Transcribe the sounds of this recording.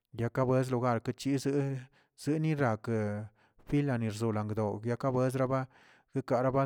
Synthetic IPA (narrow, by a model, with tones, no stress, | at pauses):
ja˧ka˦bwe˦z̬lu˧ɡa˦˧˨ɾka˦t͡ʃi˦z | z̥ɨ˦ni˦ɾa˨k | fi˦la˧ni˨ɾzu˨la˨ŋɡd̪o˨ja˧ka˦be˦zɾa˦ba˦ | ɡ̥e˦ka˨ɾa˦ba˦